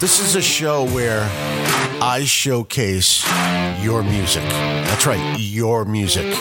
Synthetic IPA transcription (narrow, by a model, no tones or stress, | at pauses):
ðɪsɨzɨʃoʊwə˞ | ʔaɪʃoʊkʰeɪsjə˞mjʉzɨ̰kðætsɹaɪt̚ | jə˞mjʉzɪk